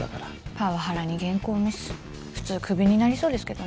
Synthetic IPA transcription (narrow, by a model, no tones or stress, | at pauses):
a̰kaɾa | paβaɦaɾaɲ̟iɡẽ̞ŋko̞ːmisɨ̥ | ɸɯ̟̥t͡sɨːkʰɯ̟bʲiɲ̟inaɾʲiso̞ːd̪e̞sɨ̥ke̞d̪o